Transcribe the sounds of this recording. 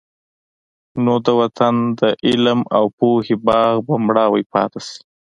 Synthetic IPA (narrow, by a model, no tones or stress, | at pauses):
nod̪əwat̪ʰand̪əʔɪlmawpohebɑɣbamɽɑwajpɑ̰t̪asi̥